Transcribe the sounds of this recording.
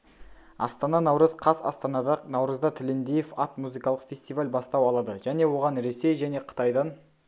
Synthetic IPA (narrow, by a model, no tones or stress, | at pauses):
ɑ̰st̪ɑnɑnɑwɾəzqʰɑsɑ̰st̪ɑnɑd̪ɑnɑwɾəzd̪ɑt̪ʰɪlend̪ejefɑt̪muzijkɑlˠəqfʲe̞sʲt̪ivalʲbɑst̪ɑwɑlˠɑd̪əʒ̥æne̞wo̞ʁɑnɾe̞se̞jʒæne̞qʰə̥t̪ɑjd̪ɑn